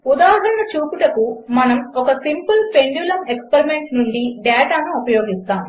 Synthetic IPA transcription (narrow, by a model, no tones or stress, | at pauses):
ud̪aːɦɐɾɐɳɐt͡ʃuːpuʈɐkumɐnɐmokɐsimpɐlpe̞ɳɖjulɐme̞kspeɾimeɳʈnuɳɖiɖɛːʈaːnuupɐjoːɡist̪aːm